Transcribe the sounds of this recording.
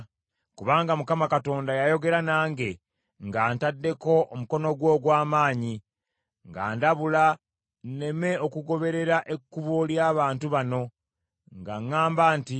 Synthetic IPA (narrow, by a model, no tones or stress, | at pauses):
kuβaːŋɡamukamakato̞ːndajajo̞ɡe̞ɾanaːŋɡe̞ | ŋɡaːntadːe̞ko̞ʔomuko̞no̞ɡwo̞ːɡwaːmaːɲi | ŋɡa̰ːndaβula | nne̞me̞o̞kuɡo̞βe̞ɾe̞ɾaʔe̞kːuβoljaːβaːntuβano̞ | ŋɡaŋːaːmbaːnti